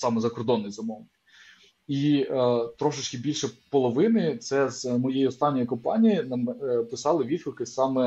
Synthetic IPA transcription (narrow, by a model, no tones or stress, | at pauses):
sɑmɛzɐkɔrd̪ɔnːɪjzɐmɔʋnɪ | i | t̪ɾɔʃɪt͡ʃkɪbʲilʲʃɛpɔlˠɔʋɪnɪt̪sɛzmɔjɛjiɔst̪ɑnʲːɔjikɔmpɑ̰nʲijinɐmpɪsɑlˠɪʋʲid̪̚kˠkɪsʲsɑmɛ